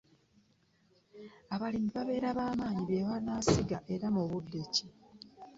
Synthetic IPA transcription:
aβalimiβaβe̞ːɾaβaːmaːɲiβeːwanaːsiɡaʔe̞ɾamuβudːeci

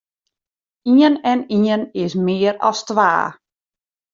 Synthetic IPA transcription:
iənɛniənɪsmɪəɾɔ̰stʋa̰ː

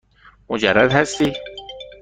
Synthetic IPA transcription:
mʊd͡ʒaɾːad̪hast̪i

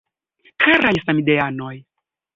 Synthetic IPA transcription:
kʰaɾajsamideanoj

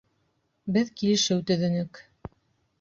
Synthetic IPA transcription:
bɘðkilɘ̆ʃɘwt̪ɵ̆ðɘ̆nɘk

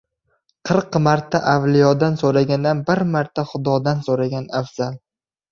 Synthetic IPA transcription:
qʰɨɾqmaɾt̪ʰaʔavlijɒd̪ansoɾaɡʲand̪anbɪɾmaɾt̪ʰaχʊd̪ɒd̪ansoɾaɡʲanafz̥al

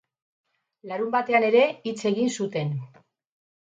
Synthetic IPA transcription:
laɾumbat̪e̞ane̞ɾe̞it͡se̞ɣinsut̪e̞n

